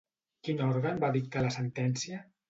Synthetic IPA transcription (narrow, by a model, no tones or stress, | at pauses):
kinɔɾɣənbaðik̚t̪aləsənt̪ɛnsiə